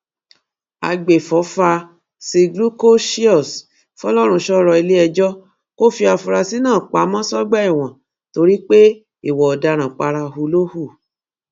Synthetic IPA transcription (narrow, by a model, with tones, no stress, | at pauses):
a̰˨ɡ͡be˨fɔ˨˦fa˧ | si˧ɡlu˦ko˦ʃi˦ɔ˦˨s | fɔ˦lɔ˦ɾ̃ũ˧ʃɔ˦ɾɔ˧i˧le˦ɛ˧d͡ʒɔ˦ | ko˦fi˧a˧fu˧ɾa˧si˦nãː˦˨k͡pa˨˦mɔ̃˦sɔ˦ɡ͡bɛ˦i˦˨w̃ɔ̃˨ | to˧ɾi˦k͡pe˦ | i˦˨wɔ˨ɔ˨da˨˧ɾ̃ã˨k͡pa˧ɾa˧ɦu˧lo˦hu˦˨